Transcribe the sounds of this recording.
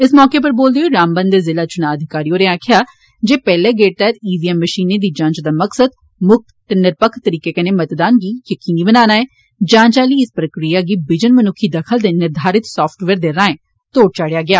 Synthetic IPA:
ɪsmɔːkeːpəɾboːld̪eoːɾaːmbənd̪eːzɪlaːt͡ʃʊnaːəd̪ʱɪkaːɾiːoːɾeaːkʰjaː | d͡ʒeːpɛːleːɡeːʈ̚t̪ɛt̪iːziːɛmːəʃiːneːd̪iːd͡ʒãːnt͡ʃd̪aːməksəd̪̚ | mʊk̚t̪t̪enɪɾpəkʰt̪ːəɾiːkeːkəneːmət̪d̪aːnɡiːjəkiːniːbənaːnaːeː | d͡ʒãːɲt͡ʃaːliːɪspɾəkɾijaːɡiːbɪd͡ʒənmənʊkʰːiːd̪əkʰəld̪eːnɪɾd̪ʱaːɾɪt̪sɔːpʰʈʋeːɾd̪eɾaːẽː | t̪oːɽ̚t͡ʃaːɽjaːɡɪjaː

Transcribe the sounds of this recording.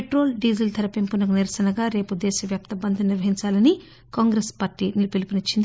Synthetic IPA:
eʈɾo̞ːlɖid͡ʒilt̪ʰɐɾɐpempunɐkuniɾɐsɐnɐɡaːɾe̞ːpud̪eːsɐʋjaːpt̪ɐbɐnd̪ʰʱɐniɾʋɐɦiɲt͡ʃaːlɐni | kaːŋɡɾespaːɾʈiːnilpilipinit͡ʃːind̪i

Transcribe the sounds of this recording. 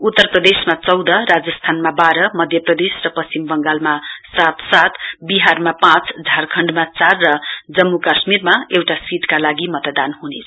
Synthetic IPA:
ut̪ːʌrprʌd̪esmat͡sʌwd̪ʌrad͡zʌst̪ʰanmabaɾʌmʌd̪ʱjʌprʌd̪esrʌpʌst͡simbʌŋɡalmasat̪sat̪biɦarmapãt͡sd͡zʱarkʰʌɳɖmat͡sarːʌd͡zʌmːukasmirmaewʈasiʈ̪kalaɡimʌt̪d̪anhunet͡sʰʌ̥

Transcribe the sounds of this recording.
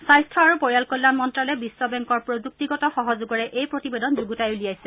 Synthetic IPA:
sajstʰɹɔaɹupɔɹjalkɔlːanmɔntɹalɛbisːɔbɛŋkɔɹpɹozuk̚tiɡɔtɔxɔɦɔzuɡɔɹɛʔʔejpɹotibedɔnzuɡutajulijajsɛ

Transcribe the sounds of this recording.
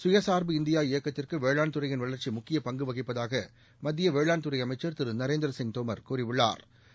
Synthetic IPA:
sʊjɐsaːɾbɯɪnd̪ɪjaːɪjɐkːɐt̪ːɪrkɯʋeːɻɭaːnt̪ɯɾɐjɪnʋɐɭɐɾt͡ʃimʊkːɪjɐpɐŋɡɯʋɐɣɪpːɐðaːɣɐ | mɐðːɪjɐʋeːɻɭaːnt̪ɯrɐɪɐmɐɪt͡ʃːɐɾt̪ɪɾɯnɐɾeːnd̪ɾɐsɪŋt̪omɐɾkuːɾɪʋʊɭːa̰ːɾ

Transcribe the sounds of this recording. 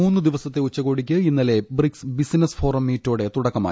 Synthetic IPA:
uːnːɨd̪iʋɐsɐt̪ːe̞ut͡ɕːɐɣo̞ːɽikʲːɨinːɐle̞briksbisinɐsfo̞ːrɐmːiːtːoːɽet̪uɽɐkːɐma̰ːj

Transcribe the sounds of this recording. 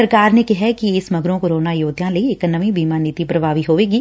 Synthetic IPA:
ɐɾkaːɾnekɪɦɛkieːsmɐɡɾõkoɾoːnajoːd̪ʱjãlɐieknɐʋĩbʱiːmaːniːt̪ipɾɐbʱaːʋiɦoːʋeːɡiː

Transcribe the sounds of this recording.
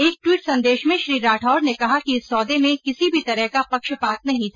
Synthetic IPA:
eːk̚ʈwiːʈsɐ̃nd̪eːʃmẽʃɾiːɾaːʈʰɔːɾnekɐɦakiɪsːɔːd̪emẽkɪsibʱit̪ɐɾəɦkapɐkʃpaːt̪̚nɐɦĩt̪ʰː

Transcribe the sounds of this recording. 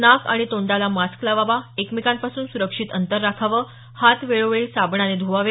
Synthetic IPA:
naka̰ɽ̃it̪oɳɖalamasklaʋaʋaekmikampasuːnsuɾəkʂit̪ənt̪əɾːakʰaʋəː | hat̪ʋeɭoʋeɭilsabɳaned̪ʱuʋaʋe

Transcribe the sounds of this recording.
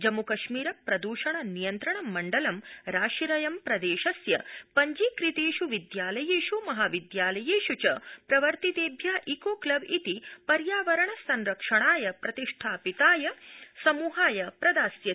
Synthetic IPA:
d͡ʒɐmukɐʃmiːɾɐpɾɐd̪uːʃɐɳɐnijɐnt̪ɾɐɳɐmːɐɳɖɐlɐmɾaːʃiɾɐjɐmpɾɐd̪eːʃɐsjɐpɐɲd͡ʒikɾit̪eːʃuʋid̪jaːlɐjeːʃumɐɦaːʋid̪jaːlɐjeːʃut͡ʃɐpɾɐʋɐɾt̪it̪eːbʱjaːʔiːkoːklɐbit̪ipɐɾjaːʋɐɾɐɳɐsɐnɾɐkʂɐɳaːjɐpɾɐt̪iʂʈʰaːpit̪aːjɐsɐmuːɦaːjɐpɾɐd̪aːsjɐ

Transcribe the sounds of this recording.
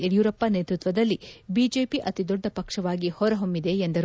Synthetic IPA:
eɽijuːɾɐpːɐneːt̪ɾut̪ʋɐd̪ɐlːibiːd͡ʒe̞ːpiʔɐt̪id̪ɔɖːɐpɐkʂɐʋaːɡihɔɾɐɦombid̪e̞ːnd̪ɐɾ

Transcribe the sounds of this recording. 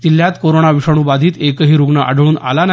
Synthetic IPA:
t̪iljat̪koɾoɳ̃aʋiʂəɽ̃uːbad̪ʱiːt̪ekəɦiːɾuɡnəʔə̰ɖʱɭuːnʔa̰lan

